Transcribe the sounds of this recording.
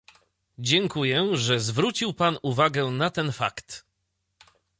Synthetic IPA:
d͡ʑɛŋkujɛʐɛzvɾut͡ɕiwpanuvaɡɛnat̪ɛnfa̰kt̪

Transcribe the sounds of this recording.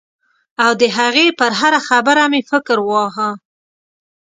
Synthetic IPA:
awd̪əɦaɣepəɾɦaɾaxabəɾamefɪkɾwɑɦa

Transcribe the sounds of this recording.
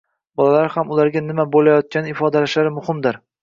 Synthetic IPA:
bɒlalaɾhamʊlaɾɡʲanɪmabolajɒt̪̚kʲanɪɪfɒd̪alaʃlaɾɪmʊhɪmd̪ɪɾ

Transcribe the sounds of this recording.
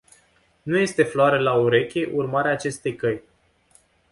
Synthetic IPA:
nuje̞st̪e̞floaɾelauɾe̞kʲe̞ʔurmaɾeaːt͡ʃe̞st̪e̞jkəj

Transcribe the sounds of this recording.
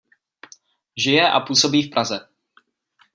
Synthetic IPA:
ʒɪjɛʔa̰puːso̞biːfpɾʔazɛ

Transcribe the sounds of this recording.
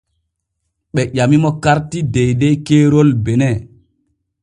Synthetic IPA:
ɓɛʄamimɔkaɾtidɛjdɛkeːɾolbɛnɛ

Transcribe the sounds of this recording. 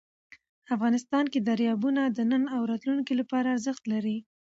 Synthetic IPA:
afɣɑnɪst̪ɑnked̪aɾjɑbunad̪ənənawɾɑt̪lunkilapɑɾaːɾzəxt̪laɾi

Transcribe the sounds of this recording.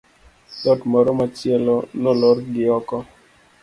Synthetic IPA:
lɔtmɔɾomat͡ʃjelonɔlɔɾɡɪɔkɔ

